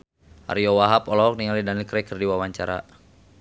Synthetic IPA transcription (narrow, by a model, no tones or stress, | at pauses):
ʔa̰ɾiɔwaɦapɔlɔɔk̚niŋalidanilkɾɛkərdiwawaɲt͡ʃaɾa̰